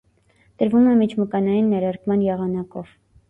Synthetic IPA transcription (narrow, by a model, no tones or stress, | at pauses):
t̪əɾvumɛmit͡ʃʰməkɑnɑjinːɛɾɑɾkmɑnjɛʁɑnɑkɔ̰v̥